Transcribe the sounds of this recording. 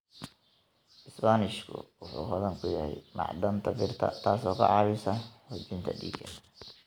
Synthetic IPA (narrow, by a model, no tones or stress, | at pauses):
ʔɪsbanɪʃkʰʊ̰wʊħṵːhɐðɐŋkʰʊjɐhɛ̰jmɑ̰ʕd̪ɐnt̪ʰɐbɪrt̪ʰɐ̰t̪ʰaːsɔːkʰɐʕɑːβɪsɐhʊt͡ʃɪnt̪ʰɐ̰ɖiːɡʰɛn